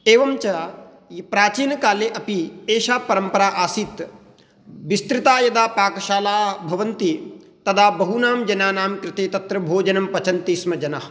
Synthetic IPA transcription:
eːʋɐmt͡ʃɐ | pɾaːt͡ʃiːnɐkaːleːʔɐpieːʃaːpɐɾɐmpɐɾaːʔaːsiːt̪ | ʋist̪ɾɪt̪aːjɐd̪aːpaːkɐʃaːlaːbʱɐʋɐnt̪i | t̪ɐd̪ʰaːbɐɦunaːmd͡ʒɐnaːnaːmkɾɪt̪eːt̪ɐt̪ɾɐbʱoːd͡ʒɐnɐmpɐt͡ʃɐnt̪iːsmɐd͡ʒɐnɐɦ

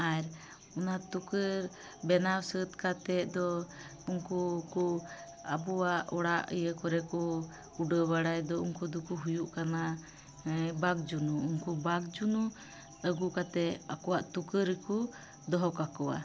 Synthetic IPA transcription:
ajɾ | ɔnat̪ukəɾ | bɛnawsət̪kat̪ɛd̪ɔ | uŋkuku | abuwaʔɔɽaʔə̰jəkɔɾɛkɔ | uɖəbaɽajd̪ɔuŋkud̪ukuɦujuʔkana | baɡ̚d͡ʒunuːŋkubaɡd͡ʒunu | əɡukat̪ɛakɔwaʔt̪ukəɾɛku | d̪ɔɦɔkakɔwa̰

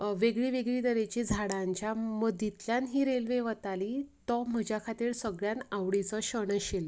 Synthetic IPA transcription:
ʋeɡɭiːʋeɡɭiːd̪əɾet͡ɕid͡zʱaɽãɲt͡ɕjaməd̪it̪ljanɦiːɾelʋeʋət̪alit̪ɔm̤əd͡ʑjakʰat̪iːɾsəɡɭjanaʋɽit͡sɔɕəɳəɕel

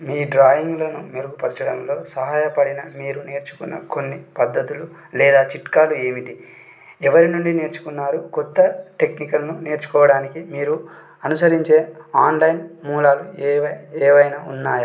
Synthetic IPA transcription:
miːɖɾaːjiŋɡlonumeɾuɡupɐɾit͡ʃɐɽɐnlo̞ːsɐɦaːjɐpɐɽinɐmiːɾuneːɾt͡ʃu̥kunːɐ̰konːipɐd̪ːɐt̪ulu | lɛːd̪aːt͡ʃiʈkaːlueːmiʈi | ɛʋɐɾinuɳɖine̞ːɾt͡ʃu̥kunːaːɾukɔt̪ːɐʈe̞knikɐlnune̞ːɾt͡ʃu̥kɔːʋɐɽaːnikimiːɾu | ɐnusɐɾiɲt͡ʃe̞ːaːnlɐjnmuːlaːluʋɐeːʋɐjnaːunːaːja

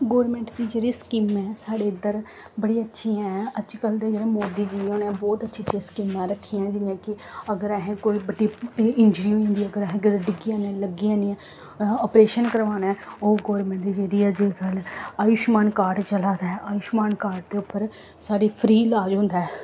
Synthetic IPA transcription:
ɡoːɾmɛ̃ːɳʈd̪iːd͡ʒeːɽiːskɪmɛːsaːɽeːɪd̪əɾ | bəɽiːətːʃʰiːɛ̃ːətːʃiːkəld̪eːd͡ʒeːɽẽːmoːd̪iːd͡ʒioːnɛ̃ːbɔːt̪ətːʃʰit͡ʃʰiskɪmãːɾəkʰːiːãːd͡ʒɪnjãːkɪ | əɡəɾɛɦẽːkoːiːbəɖiːɪɲd͡ʒɾiːɦoːĩnd̪iːəɡəɾəɦẽkɪɾəɖɪɡiːãːnẽːləɡiãːnĩː | ɔːpɾeːʃənkəɾʋaːnɛːoːɡoːɾmɛ̃ːɳʈ̚d̪iːd͡ʒeːɽiːɛd͡ʒeːɡəlaːjʊʃmaːnkaːɾʈt͡ʃəlaːd̪aɛʔaːjʊʃmaːnkaːɾʈ̚d̪eːʊpːəɾ | saːɽeːpʰɾiːlaːd͡ʒɦʊ̃nd̪aɛː

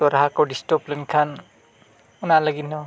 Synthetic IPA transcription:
toɾɦakoɖisʈoplinkʰan | unalʌɡinːʌ

